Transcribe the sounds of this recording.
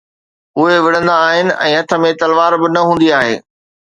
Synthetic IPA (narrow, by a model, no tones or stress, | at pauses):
ʊɦeʋɪɽ̤ə̃nd̪aːɦɪnɪ̆ʔɛ̰̃ːɦɐt̪ʰə̆mẽt̪ɐlʋaːɾbɪnɐɦũːnd̪iaːɦḛː